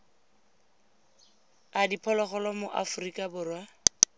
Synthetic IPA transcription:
adipʰɔlɔχɔlamʊʔa̰fʊrikʼabʊːrwa

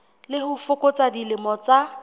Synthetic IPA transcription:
lɪhʊfʊkʊt͡sadilɪmɔt͡sa

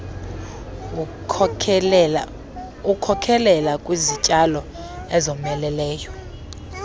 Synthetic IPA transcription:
ukʰɔkʰɛlɛlakʼwizit͡ʃʼalɔ | ɛzɔmɛlɛlɛːjɔ

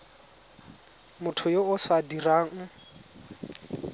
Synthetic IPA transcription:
mʊtʰʊjoʊsadiraːŋ̩

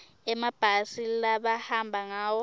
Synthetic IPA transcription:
ɛmab̥ʱasilaɓahambʱaŋaːwɔ

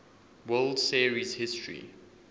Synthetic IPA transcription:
wɛldsiɹizhɪstʰɹḭ

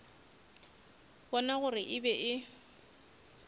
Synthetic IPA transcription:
bɔnaɣʊrɪʔɪbɛʔɪ

